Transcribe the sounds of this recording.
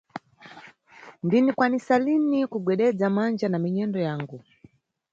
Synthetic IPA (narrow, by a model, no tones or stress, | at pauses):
ndinikwanisalinikuɡwɛɗɛd͡zamand͡ʒanamiɲɛndɔjaːŋɡu